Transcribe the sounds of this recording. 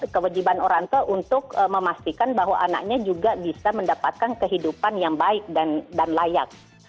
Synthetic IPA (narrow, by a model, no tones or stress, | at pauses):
kəwad͡ʒibanoɾaŋt̪uʔunt̪ʊk̚əməmast̪ikanbaɦwa̰ʔana̰k̚ɲad͡ʒuɡabisaməndapat̪̚kankəɦidupanjaŋbaɪk̚dandanlajak̚